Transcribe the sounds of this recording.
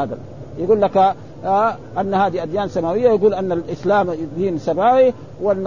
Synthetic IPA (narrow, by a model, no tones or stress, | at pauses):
aːd̪al | jɪɡuːlːaka | ʔanːahaːd̪iʔad̪jaːnsamaːwɪjːajaɡuːlʔanːalʔɪslaːmd̪iːnsamaːwi | wanː